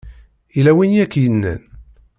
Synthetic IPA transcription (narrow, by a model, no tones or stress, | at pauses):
ilæwinjækːjənːə̰n